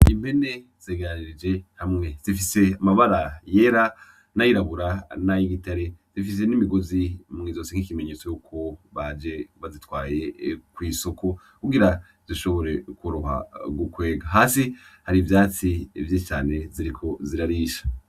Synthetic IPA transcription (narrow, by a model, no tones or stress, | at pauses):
im̥pe̞ne̞z̥eːɡeɾaniɾid͡ʒe̞hamŋe̞z̥ifise̞amaβaɾajeɾa | najiɾaβuɾanajiɡitaɾe̞z̥ifis̬e̞nimiɡo̞zimŋiːzo̞ːseŋ̥ikimeɲe̞t͡sojukʰo̞βad͡ʒe̞βazitwaːje̞kwiːso̞ko̞ | kuɡiɾa | z̥iʃo̞βo̞ɾe̞kuɾuɦa̰ɡukwe̞ːɡaɦaːsihaɾivjaːt͡sivjet͡ʃaːne̞ziɾikʰo̞ziɾaɾiʃḁ